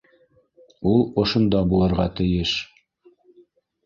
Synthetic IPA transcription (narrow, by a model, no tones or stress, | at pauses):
ulˠŏʃŏnd̪ɑbulˠɤ̆ɾʁɑt̪ɘ̆jɘʃ